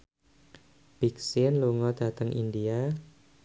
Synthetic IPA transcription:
b̥iksɪnluŋɔd̪a̤t̪əŋʔḭndia

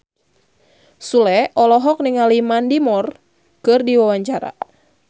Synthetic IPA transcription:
sulɛʔɔlɔɦɔk̚niŋalimandimɔr | kɨrdiwawaɲt͡ʃaɾa̰

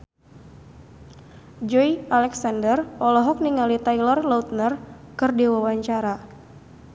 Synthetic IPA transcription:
d͡ʒɔjalɛksandərɔlɔɦɔk̚niŋalit̪ajlɔrlaut̪̚nər | kɨrdewawaɲt͡ʃaɾa

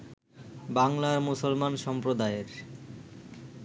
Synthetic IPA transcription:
baŋlaɾmusolmanʃɔmpɾod̪aeɾ

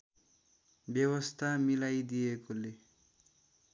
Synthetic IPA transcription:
bjʌwʌst̪ʰamilajd̪ijekole

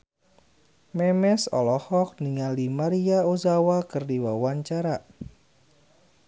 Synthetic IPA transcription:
mɛmɛsɔ̰lɔhɔk̚niŋalimaɾiaozawakɨrdiwawaɲt͡ʃaɾa

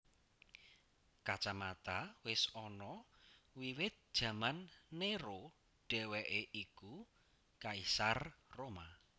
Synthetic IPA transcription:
kat͡ʃamat̪awɪsɔnɔwiwɪt̪̚d̥ʒ̥ä̤manːeɾo | ɖ̥ɛ̤wɛʔeʔiku | kaisarroma

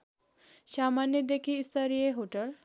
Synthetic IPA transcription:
samanjəd̪ekʰiist̪əɾijeɦoʈəl

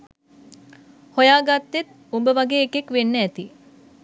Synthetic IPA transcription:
hojaːɡat̪ːet̪̚ | umbəʋaɡeːekekʋenːəæt̪i

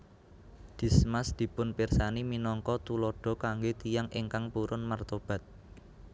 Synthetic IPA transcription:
d̪̥i̤smasd̪̥i̤pʊnpirsaniminɔŋkɔt̪ulɔɖ̥ɔ̤kaŋɡet̪ijaŋʔɪŋkaŋpuɾʊnmart̪ɔb̥ä̤t̪̚

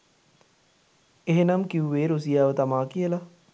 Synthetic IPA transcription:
eɦenamkiuʋeːɾus̬ijaːʋət̪amaːkijəla

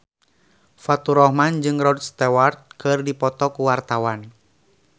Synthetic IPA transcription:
fat̪uɾɔhmand͡ʒɨŋrɔd̪̚st̪ɛwart̪̚kɨrdipɔt̪ɔkuwart̪awan

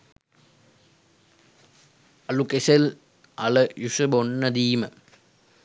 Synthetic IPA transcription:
ɐlukesel | ɐləjuʂɐbonːɐd̪iːmə

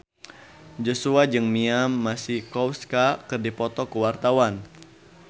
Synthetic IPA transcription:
d͡ʒosuad͡ʒɨŋmiamːasihkɔwskakɨrdipɔt̪ɔkuwart̪awan

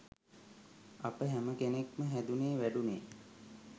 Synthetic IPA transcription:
apəɦæməkenekməɦæd̪uneːʋæɖuneː

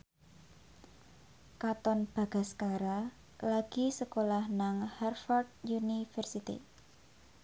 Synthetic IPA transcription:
kat̪ɔnb̥a̤ɡ̥a̤skaɾa | laɡ̥i̤səkolahnaŋhɛrfɔrd̪̚junifərsit̪ḭ

